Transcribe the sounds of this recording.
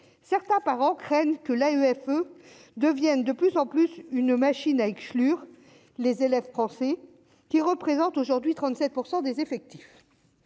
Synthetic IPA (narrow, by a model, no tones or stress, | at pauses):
sɛʁt̪ɛ̃paʁɑ̃kχɛnkəlayɛfød̪əvjɛnd̪əplyzɑ̃plysynmaʃinaɛksklyːʁ | lezelɛvfχɑ̃sɛ | kʲiʁəpχezɑ̃t̪oʒuʁd̪ɥit̪χɑ̃t̪sɛt̪̚puʁsɑ̃d̪ezefɛk̚t̪i̥f